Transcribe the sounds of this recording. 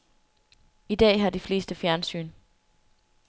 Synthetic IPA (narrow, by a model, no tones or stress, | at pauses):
id̥ɛ̰ːɦɑ̈d̥ifle̝ːsd̥əfjæɐnsy̰ːn